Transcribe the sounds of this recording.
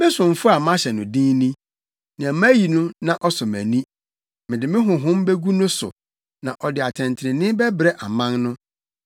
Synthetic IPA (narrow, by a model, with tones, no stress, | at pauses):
mɪ̃˦sʊ̃˨ɱ̩˨fʊ˦a˨mã˦ɕɛ˨nʊ̃˨dĩ˦nĩ˦ | nɪ̃˨æ˨mã˦ji˨nʊ̃˦nã˦˨ʔɔ˦sʊ˨mæ̃˨nĩ˦ | mɪ̃˨dɪ˨mɪ̃˦ɦʊ̃˨ɦʊ̃˦mbe˦ɡu˦nʊ̃˦sʊ̰˨ | nã˨ʔɔ˨dɪ˨a˨tʰɛ̃˨ntʰɪ˨ɾɪ̃˨nɪ̃˦bɛ˦bɾɛ˦ʔa˨mã˦nnʊ̃˦